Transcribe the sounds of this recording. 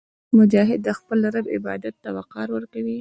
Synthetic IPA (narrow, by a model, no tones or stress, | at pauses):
mʊd͡ʒɑɦɪd̪ːəxpəlaɾabɪ̰bɑ̰d̪at̪ːawaqɑɾwəɾkawi